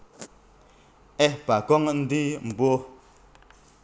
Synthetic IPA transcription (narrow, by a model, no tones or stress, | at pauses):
ɛpakɔŋn̩dim̩bwo